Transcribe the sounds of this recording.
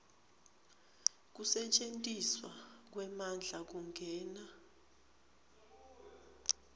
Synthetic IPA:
k̬usɛt͡ʃʼentʼiswak̬wɛmand͡ɮʱak̬uŋɡʱɛːna

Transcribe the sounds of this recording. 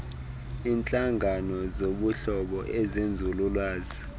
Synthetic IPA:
int͡ɬʼaŋanɔzoɓuɬɔɓɔʔɛzend͡zʱululwaːzi

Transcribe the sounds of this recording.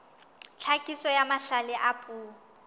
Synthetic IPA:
t͡ɬʰakʼisɔjamaɬalɪʔapʼuː

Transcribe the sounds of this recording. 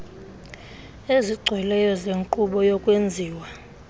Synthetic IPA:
eziɡ͡ǀʱwɛlɛjɔzeŋǃuɓɔjɔkʼwend͡zʱiːwa

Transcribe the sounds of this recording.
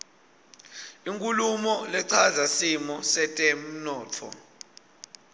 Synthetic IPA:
iŋkʼulumɔlɛǀʰazasimɔsɛtʼem̩nɔːtʰɔ̰

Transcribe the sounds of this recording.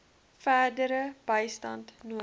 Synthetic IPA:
fæːrdəɾəb̥əjstɐntnuə

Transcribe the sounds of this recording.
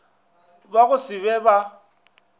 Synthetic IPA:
baɣʊsɪβɛba

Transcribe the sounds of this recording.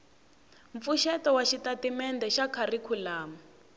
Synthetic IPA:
ɱp̪fuʃɛtɔwaʃitatimɛndɛʃakʰarikʰulaːmɔ

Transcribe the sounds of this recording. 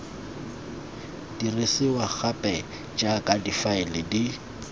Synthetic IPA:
d̥irɪsɪwak͡xʰapʼɛ | d͡ʒakʼadifaɪlɪdi

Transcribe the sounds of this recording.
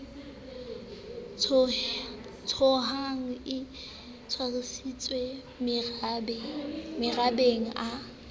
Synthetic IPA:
t͡sʰɔɦaŋ̩ɪ | t͡sʰwarɪsit͡sʼwe | mɪrabeŋ̩ʔa

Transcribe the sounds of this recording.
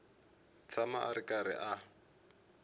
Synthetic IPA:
t͡sʰamaʔaɾɪkʼaɾɪ̰ʔa

